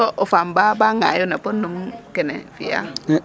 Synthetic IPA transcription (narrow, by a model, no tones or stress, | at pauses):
ɔʔofambabaŋajunapunːumkɛnɛ̰fija̰